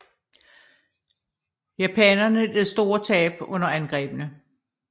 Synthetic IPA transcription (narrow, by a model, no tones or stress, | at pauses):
jæpʰɛnɐnə̥leðˠsd̥o̝ːɐt͡sʰɛ̰ːb̥ɔ̽n̰ɐænɡ̥ʁɛ̰ːb̥ənə